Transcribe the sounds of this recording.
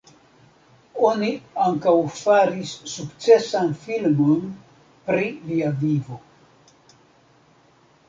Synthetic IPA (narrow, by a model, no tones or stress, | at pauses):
o̞niaŋkawfaɾisːukt͡se̞sanfilmo̞n | pɾiviavivo̞